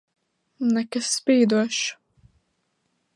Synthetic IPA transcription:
nɛkasːpʲiːd̪uɔʃ

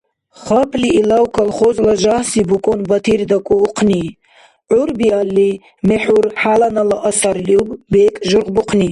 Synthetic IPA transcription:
χapʰliːlawkʰalχɔzlaʒahsibukʼɔnbat̪ʰiɾd̪akʼuːqʰni | ʕuɾbialːi | mɛħuɾħalanalaʔasaɾliubbɛkʼʒuɾqbuqʰni

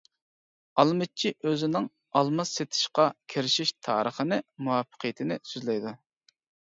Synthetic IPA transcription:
ɑlˠmɨt͡ʃʰiʔøzɪnɪŋ | ɑlˠmɑsːet̪ʰɪ̥ʃqɑkʲʰeɾɪʃiʃt̪ʰɑ̰ːɾʔəχənɪmuwɑpʰːə̥qʰəjɪt̪ʰɪnɪsyzlɛjd̪u

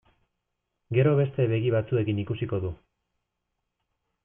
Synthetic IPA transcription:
ɡe̞ɾo̞βe̞st̪e̞βe̞ɣiβat͡sue̞kinikusiko̞ðu

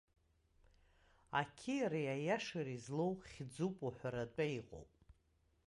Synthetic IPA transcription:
akʲʰiɾajajaʂaɾizlowχʲd͡zupʼuħʷaɾat͡pʼaiqʼo̰wpʼ

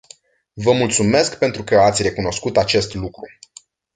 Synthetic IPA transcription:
vəmult̪sume̞skpe̞nt̪ɾukəat̪sʲre̞kuno̞skut̪at͡ʃe̞st̪lukɾu

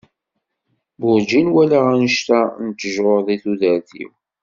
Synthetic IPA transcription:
bʊɾd͡ʒinwælaʁænəʃt̪ænət̪ːəʒoɾðˤiθuðəɾθḭw

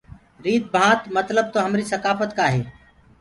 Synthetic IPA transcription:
ɾiːd̪̚bʱãːt̪mət̪ləb̚t̪oːɦəmɾiːsəkaːfət̪kaːɦeː

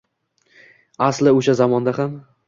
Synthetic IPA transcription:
aslɪoʃazamɒnd̪aham

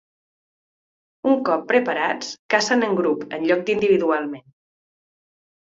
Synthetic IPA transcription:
uŋkɔpːɾəpəɾat͡skasənəŋɡɾupə̰nʎɔk̚d̪ind̪iβ̞iðualˠmen

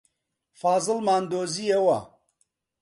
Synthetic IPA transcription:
faːzɨlmaːnd̪oːziewɐ

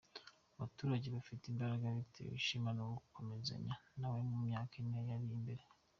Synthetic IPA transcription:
aβatuːɾaɟeβafiteimbaɾaɡaβitḛḭʃimanoɡukomeza̰ɲanawemumɲaːkinajaɾiimbe̞ɾe

